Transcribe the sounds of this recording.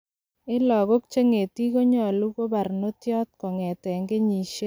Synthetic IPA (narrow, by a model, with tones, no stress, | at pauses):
ɪ˦lɔ˨ɡo˦k̚t͡ʃe˦ŋe˨ti˦ko˦ɲɔ˨lu˦ko˦ba˨ɾno˦tjɔ˦t̪̚kɔ˨ŋɛ˨tɛ˨ŋɡe˦ɲi˨ʃe˦